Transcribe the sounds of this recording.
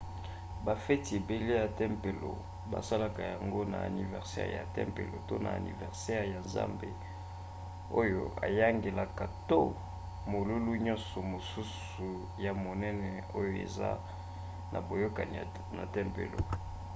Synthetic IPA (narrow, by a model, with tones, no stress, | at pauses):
ba˨fɛ˦ti˨e˨be˨le˦ja˨tɛ˦mpe˨lo̰˨ | ba̰˨sa˦la˨ka˨ja˨ŋɡo˦na̰˨a̰˨ni˨vɛ̰˨ʁsɛ̰˦ʁja̰˨tɛ̰˦mpḛ˨lo̰˨to˦na̰˨a̰˨nḭ˨vɛ˨ʁsɛ˦ʁja˨nza̰˦mbe˦ | o˦jo̰˦a̰˨ja˦ŋɡe˨la˨ka˨to˦ | mo˨lu˦lu˦ɲɔ̃˦nsɔ˨mo˨su˦s | u˨ | ja˨mo˨nɛ˦nɛ˨ | o˦jo˨ḛ˨za̰˦ | na̰˨bo˨jo˦ka˨ni˨ | na̰˨tɛ˦mpḛ˨lo̰˨